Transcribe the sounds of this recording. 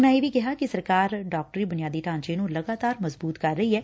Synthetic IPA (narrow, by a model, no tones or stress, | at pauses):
ʊnãːeːʋiːkɪɦaːkɪsəɾkaːɾɖaːk̚ʈəɾiːbʊnɪjaːd̪iːʈãːnt͡ʃeːnũːləɡaːt̪aːɾməzbuːt̪kəɾːəiːɦɛː